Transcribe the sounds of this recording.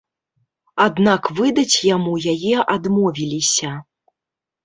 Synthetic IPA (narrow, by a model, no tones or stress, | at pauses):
ad̪nakvɨd̪ɐt͡sʲjamujajɛʔad̪mɔvʲilʲisʲɐ